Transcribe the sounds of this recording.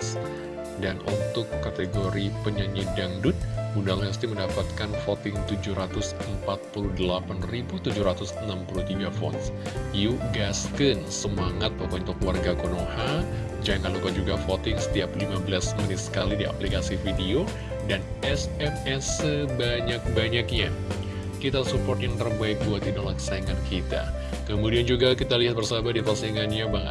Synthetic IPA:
s | danʔṵnt̪ʊkːat̪eɡoɾipəɲəɲədaŋdʊt̪̚bundaŋast̪iməndapat̪̚kanfot̪ɪŋt̪ud͡ʒuhɾat̪ʊsəmpat̪̚puludəlapanribut̪ud͡ʒuhɾat̪ʊsənampulut̪iɡafɔ̰nsjuɡaskənsəmaŋat̪̚pokɔunt̪ʊkluwarɡakonoha | d͡ʒaŋanlukad͡ʒuɡafot̪ɪŋsə̥t̪iaplimabəlasmənɪt̪̚sə̥kalidia̰plikasifidio | dan | ɛsɛmɛsəbaɲak̚baɲak̚ɲa | kit̪asupɔrt̪jaŋrəbajk̚buat̪idalakə̥saiŋankʰit̪a̰ | kəmudiand͡ʒuɡakit̪aliɦat̪̚bərsabadifasiŋanɲabaŋə̰t̪̚

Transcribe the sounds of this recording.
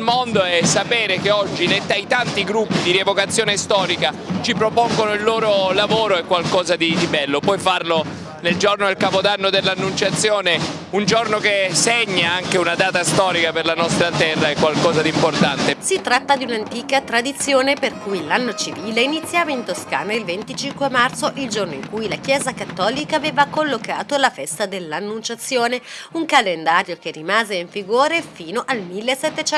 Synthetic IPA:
lmond̪oɛsːapeːɾekeɔd͡ʒːilet̪ːajt̪ant̪iɡɾupːid̪iɾievokat̪sːjoːnest̪ɔːɾikat͡ʃipɾopoŋɡonoilːoːɾolavoːɾoɛkːwalkɔːzad̪id̪ibɛlːopwɔjfarlo | neld͡ʒornoelkapod̪anːod̪elːanːunt͡ʃat̪sːjoːne | und͡ʒornokeseɲːaaŋkeunad̪aːt̪ast̪ɔːɾikaperlanɔst̪ɾat̪ɛrːaɛkːwalkɔːzad̪import̪ant̪esit̪ːɾat̪ːad̪iunant̪iːkat̪ɾad̪it̪sːjoːneperkujlanːot͡ʃiviːleinit̪sːjaːvaint̪oska̰ːnailvent̪it͡ʃiŋkwemart̪soʔild͡ʒornoiŋkujlakjɛːzakat̪ːɔːlikaːveːvakolːokaːt̪olafɛst̪ad̪elːanːunt͡ʃat̪sːjoːneuŋkalend̪aːɾjok̟erːimaːzeiɱfiɡoːɾefiːnoʔalmilːesːet̪ːet͡ʃɛ

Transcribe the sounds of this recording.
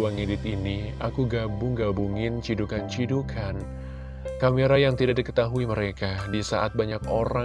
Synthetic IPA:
uaŋedɪt̪inia̰kuɡabuŋɡabuŋɪnt͡ʃidukant͡ʃidukʰan | kamiɾajaŋt̪idaʔdikə̥t̪aɦuiməɾekadisa̰ʔat̪̚baɲakoɾa

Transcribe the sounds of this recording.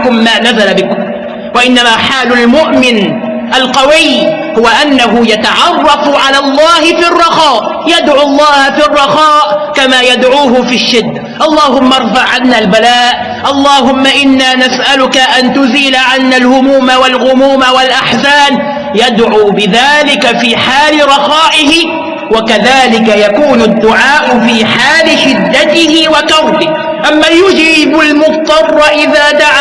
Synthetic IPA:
kʊmːaːnazalabɪkʊ | waʔɪnːamaːħaːlʊlmʊʔmɪn | ʔalqɑwɪj | hʊwaʔanːaɦʊjat̪aʕɑrˤːɑfʕalaːlˤːɑːhɪfirˤːɑxɑːʔ | jad̪ʕʊlˤːɑːhafiːrˤːɑxɑːʔkamaːjad̪ʕuːɦʊfiːʃːɪd̪ːaʔɑlˤːɑːhʊmːɑɾˤfɑʕʕanːaːlbalaːʔ | ʔɑlˤːɑːɦʊmːaʔɪnːaːnasʔalʊkaʔant̪ʊziːlaʕanːalhʊmuːmawalɣʊmuːmawalʔaħsaːn | jad̪ʕuːbɪðaːlɪkafiːħaːlɪɾˤɑxɑːʔɪhɪ | wakaðaːlɪkajakuːnʊd̪ːʊʕaːʔʊfiːħaːlɪʃɪd̪ːat̪ɪhɪwakɑɾˤbɪh | ʔamːaːjʊd͡ʒɪbʊlmʊbt̪ˤːɑrˤːʔɪðaːd̪aʕa

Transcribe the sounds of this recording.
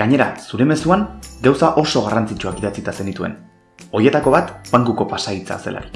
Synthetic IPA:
ɡaɲe̞ɾa̰suɾe̞me̞suaŋɡawsaʔo̞so̞ɣ̞arant͡sit͡ʃuakiðat͡sit̪asenit̪ue̞̰n | o̞je̞t̪ako̞βat̪paŋɡuko̞pasait͡sa̰ːse̞̰lʔa̰ɾi

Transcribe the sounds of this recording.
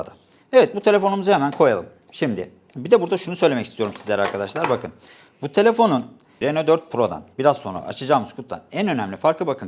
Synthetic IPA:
d̪a | evɛt̪̚but̪ʰe̞lʲe̞fo̞numuzɯhemænkʰo̞jalˠɯm | ʃimd̪ɪ̰ | bid̪ɛbuɾd̪aʃunusø̞jlʲemɛcist̪ʰijo̞ɾumsizlʲæɾaɾkʰad̪aʃlˠaɾbakʰɯn | but̪ʰe̞lʲe̞fo̞nun | ɾenod̪øɾt̪̚pʰɾo̞d̪a̰nbiɾazso̞na̰ʔa̰t͡ʃʰad͡ʒaːmɯz̥kʰut̪lˠa̰nænø̞næmlʲifaɾklˠɯbakʰɯn

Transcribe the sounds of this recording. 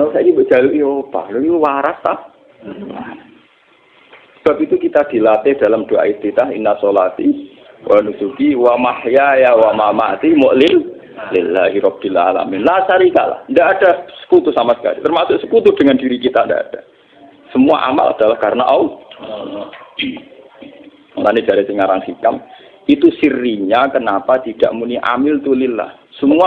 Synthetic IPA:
nasaɡibəd͡ʒ̥aluʔiob̥a̰loijuwaɾast̪ah | la̰ | səb̥ap̚it̪ukit̪ad̥ilat̪ɪhd̥alamd̥oa̰it̪it̪aɦḭnasolat̪i | wʔanusukiwamahjajawamamat̪imʊʔlɪl | lɪlːa̰ɦiɾɔb̚b̥ila̰la̰mɪnlasaɾika̰la̰hndaʔːd̥asə̥kut̪usamasə̥ka̰lḭt̪ərmasʊʔsəkut̪ud̥əŋandiɾikit̪anda̰ʔa̰d̥a | səmua̰ʔa̰ma̰lʔa̰d̥alahkaɾənaʔaw | nanid̥aɾit̪iŋaɾaŋsikam | it̪usiriɲakənapat̪id̥a̰ʔmuniʔa̰mɪlt̪ulɪla̰h | səmua

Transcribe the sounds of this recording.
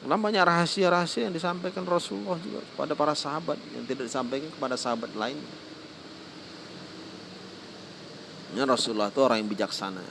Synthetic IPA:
kalaŋbaɲakraɦasiaɾaɦasiajaŋdisampajkanrɔsulːahd͡ʒṵɡa̰kə̥pa̰dapaɾasaɦabat̪̚ja̰ŋt̪idak̚disampajkankəpadasaɦabat̪̚laɪnɲa̰ | narɔsulːɔht̪uoɾaŋjaŋbid͡ʒaksa̰na̰

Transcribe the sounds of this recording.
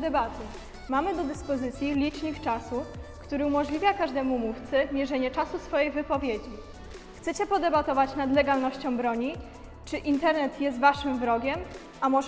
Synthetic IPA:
d̪ɛbat̪ɘ | mamɘd̪ɔd̪ɘspɔzɘt̪sʲjilʲit͡ʂɲikt͡ʂasukt̪uɾɘumɔʐlʲivʲjakaʐd̪ɛmumuft̪sɘmʲjɛʐɛɲɛt͡ʂasusfɔjejvɘpɔvʲjed͡ʑi | xt̪sɛt͡ɕɛpɔd̪ɛbat̪ɔvat͡ɕnad̪lɛɡalnɔɕt͡ɕɔ̃w̃bɾɔɲi | t͡ʂɘʔint̪ɛɾnɛt̪jɛst̪vaʂɘmvɾɔɡʲɛm | amɔ

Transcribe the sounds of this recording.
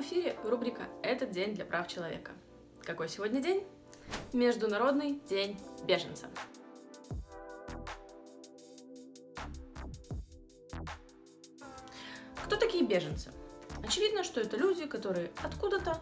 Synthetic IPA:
ɨfʲiɾʲɪvrubɾʲɪkəɛt̪ət̪̚dʲenʲd̪lʲɐpɾʔaft͡ɕɪlˠɐvʲḛkə | kɐkojsʲɪvo̞dʲnʲədʲenʲ | mʲɪʐd̪ʊnɐɾo̞d̪nɨjdʲenʲbʲe̞ʐənt̪sə̰ | kt̪o̞t̪ɐkʲijəbʲe̞ʐənt̪sɨ̰ɐt͡ɕɪvʲid̪nəʂt̪o̞ɛt̪əlʲudʲɪkɐt̪o̞ɾɨjəɐt̪kud̪ət̪ə

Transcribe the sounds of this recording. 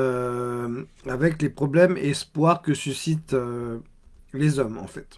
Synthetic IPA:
ø | avɛklepχɔblɛmeɛspwaʁkəsysit̪ø | lezɔmɑ̰̃fɛt̪

